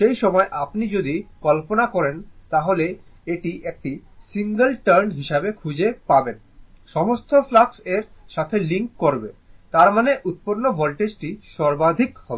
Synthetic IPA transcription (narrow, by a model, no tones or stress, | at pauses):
ʃejʃɔmɔeʔapnid͡ʑod̪ikɔlponakɔɾent̪aɦoleeʈiʔek̚ʈisiŋɡəlʈaɾnɦiʃabekʰud͡ʑepaben | ʃɔmost̪ʰoflakseɾʃat̪ʰeliŋkːoɾbet̪aɾmaneʔut̪̚poɾnobɔlʈed͡ʑʈiʃɔɾbad̪ʱikhɔbee